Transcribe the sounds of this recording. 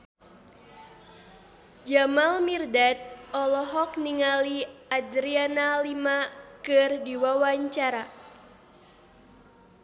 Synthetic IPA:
d͡ʒamalmirdat̪̚ɔlɔɦɔk̚niŋaliadɾianalimakɨrdiwawaɲt͡ʃaɾa

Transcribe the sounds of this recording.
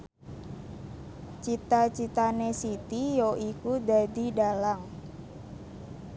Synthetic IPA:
t͡ʃit̪at͡ʃit̪anesit̪ijoʔikud̪a̤d̪idalaŋ

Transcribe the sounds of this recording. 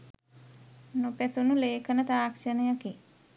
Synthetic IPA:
nopæsunuleːkʰənət̪aːkʃənəjaki

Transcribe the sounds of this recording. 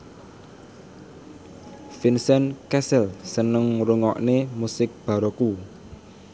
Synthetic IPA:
finsɛnkɛsɛlsənəŋruŋɔ̰ʔnemusɪk̚b̥a̤ɾoku

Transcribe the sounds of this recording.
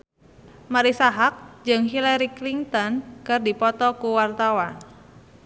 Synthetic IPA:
maɾisaɦak̚d͡ʒɨŋɦilaɾikliŋt̪ɔnkɨrdipɔt̪ɔkuwart̪awan

